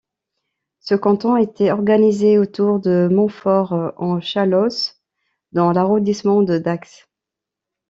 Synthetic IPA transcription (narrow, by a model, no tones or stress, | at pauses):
səkɑ̃t̪ɔ̃et̪ɛɔʁɡanizeot̪uʁd̪əmɔ̃fɔʁɑ̃ʃalɔs | d̪ɑ̃laʁɔ̃d̪ismɑ̃d̪əd̪aks